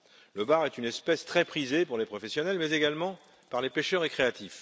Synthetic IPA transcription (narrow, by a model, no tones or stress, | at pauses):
ləbaʁɛt̪ynɛspɛst̪χɛpχizepuʁlepχɔfɛsjɔnɛlmɛzeɡalmɑ̃ | paʁlepeʃœʁekχeat̪if